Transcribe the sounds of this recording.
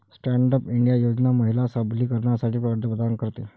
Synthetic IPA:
sʈæɳɖəpiɳɖijajod͡ʑnaməɦilasəbliːkəɾɳjasaʈʰiːpəɾd̪əbəd̪ʱaŋkəɾt̪e

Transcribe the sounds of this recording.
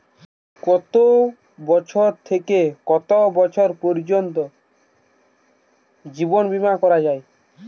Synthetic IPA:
kɔt̪o | bɔt͡ʃʰɔɾt̪ʰekekɔt̪obɔt͡ʃʰɔɾpɔɾd͡ʒont̪̬o | d͡ʒibonbimakɔɾad͡ʒaj

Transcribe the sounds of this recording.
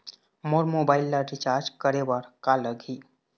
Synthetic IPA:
moːɾmoːbaːɪlːaɾɪt͡ʃaːɾd͡ʒkəɾebaɾkaləɡʱiː

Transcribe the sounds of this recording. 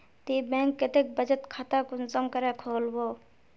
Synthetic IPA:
t̪iːbɛ̃ːŋkːet̪ek̚bəd͡ʒət̪kʰat̪akʊnzəmkɐɾekʰoːlboː

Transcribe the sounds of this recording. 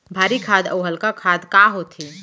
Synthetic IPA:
bʱaːɾikʰaːd̪ə̰wɦəlkakʰaːd̪kaɦot̪ʰiː

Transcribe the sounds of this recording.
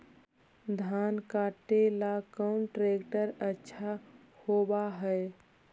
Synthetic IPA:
d̪ʱankaʈelakəʊnʈɾekʈəɾətːʃʰa | hobaɦəj

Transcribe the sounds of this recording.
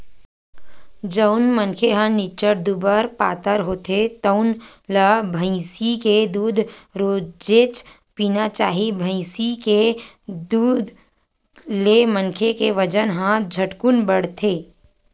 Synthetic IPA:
d͡ʒəʊnmənkʰeɦãnɪt͡ʃəɾd̪ubəɾpaːt̪əɾɦoːt̪ʰet̪əʊn | labʱə̃ɪ̃siked̪uːd̪ʱɾoːd͡ʒeːt͡ʃ | piːnat͡ʃaːɦibʱə̃ɪ̃sike | d̪uːd̪ʱ | lemənkʰekeʋəd͡ʒənɦãd͡ʒʱəʈkʊnbəɽt̪ʰeː

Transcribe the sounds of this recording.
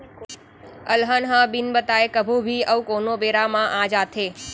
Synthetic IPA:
əlɦənɦãbinbət̪aekəbʱubʱiəʋkonobeɾamãʔãd͡ʒat̪ʰe

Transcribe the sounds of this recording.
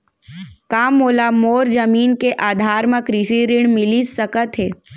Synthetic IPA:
kaːmːoːlamoːɾd͡ʒɐmiːnkeʔaːd̪ʱaːɾmãkɾisiɾɪɳmɪlisəkət̪ɦeː

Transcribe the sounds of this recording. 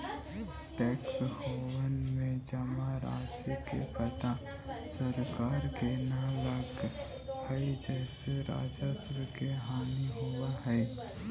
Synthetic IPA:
ʈɛːkshoːwənmẽd͡ʒɐmaɾa̰ːd͡ʒəkḛpət̪ã | səɾkaːɾkenalaɡ | həd͡ʒɛːseɾa̰ːd͡ʒəsɾəkeɦaːniɦuaɦɛe

